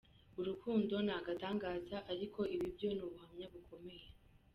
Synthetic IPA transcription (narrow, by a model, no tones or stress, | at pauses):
uɾukuːndo̞naɡataːŋɡaːzaʔaɾikʰo̞ʔiβibjo̞nuβuhamɲaβukʰo̞me̞je